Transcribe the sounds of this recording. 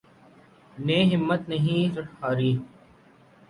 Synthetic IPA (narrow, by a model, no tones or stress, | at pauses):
neːɦɪmːət̪nəɦĩːzʊʈʰːaːɾiː